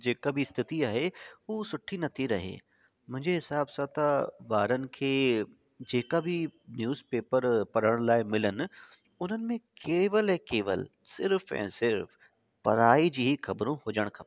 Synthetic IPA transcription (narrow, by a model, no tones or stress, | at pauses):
d͡ʒeːkabʱiɪst̪ʰɪt̪iaːɦeoːsʊʈʰːinɐt̪ʰiɾɐɦḛː | mʊ̃ɦɪ̃ɲd͡ʒeɦɪsaːbsãt̪aʋaːɾənɪ̆kʰeː | d͡ʒeːkabʱinjuːzpeːpəɾpɐɾəɽ̃laːɪmɪlənɪ | ʊn̤ənɪ̆mẽkeːʋəlɦɛkeːʋə̰lsɪɾfɛ̰̃ːsɪɾf | pɐɾaːid͡ʑiːɦixɐbɾõɦoːd͡ʒəɽ̃kʰa